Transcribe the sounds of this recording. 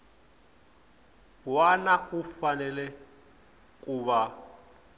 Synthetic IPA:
wanakʼufanɛlɛ | kʼuβa

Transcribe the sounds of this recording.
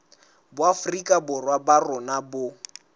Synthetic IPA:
bʊafrikʼabʊrwabarʊnabʊ

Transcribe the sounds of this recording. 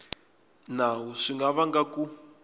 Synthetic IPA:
naɦuʂiŋɡaβaŋɡaku

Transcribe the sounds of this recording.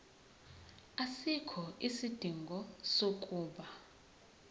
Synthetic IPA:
asikʰɔʔisid̥ʱiŋɡʱɔsokʼuːɓa

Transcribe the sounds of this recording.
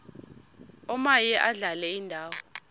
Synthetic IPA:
ɔmajɛʔaɮalɛindʱaːwɔ

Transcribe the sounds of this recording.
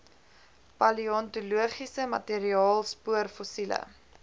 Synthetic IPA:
pɐliɔntuluəχisəmɐ̰teːɾiɑːlˠspuərfosilə̰

